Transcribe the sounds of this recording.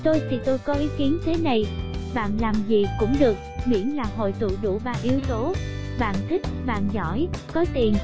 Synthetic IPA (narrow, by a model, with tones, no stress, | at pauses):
t̪o˧jt͡ɕi˧˩t̪o˧jkɔ˨˦ʔi˨˦ki˨˦ənt̪ʰe˨˦na˨˩jɓa̰ː˧˨nlaː˨˩mzi˨˩kʊ̰˧˥ŋ͡mɗɨ˨˩ək̚mḭ˧˥ənlaː˨˩ɦo̰˧˨jt̪ṵ˧˨ɗṵ˧˩˨vaː˨˩ʔi˨˦əwt̪o˨˦ɓa̰ː˧˨nt̪ʰï˦˥k̟̚va̰ː˧˨nzɔ̰˧˩jkɔ˨˦t̪i˨˩ən